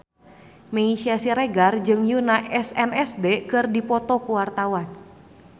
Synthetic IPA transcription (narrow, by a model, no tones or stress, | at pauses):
meisiasiɾɛɡard͡ʒɨŋjunaʔɛsɛnɛsdɛkɨrdipɔt̪ɔkuwart̪awan